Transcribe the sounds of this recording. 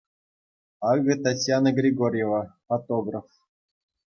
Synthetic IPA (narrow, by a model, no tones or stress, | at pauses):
ɑɡɤ̆t̪atʲjanəɡrʲiɡorʲjevafot̪oɡraf